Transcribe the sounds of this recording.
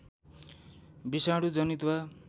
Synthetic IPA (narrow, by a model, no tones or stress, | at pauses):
bisaɽud͡zʌnit̪wa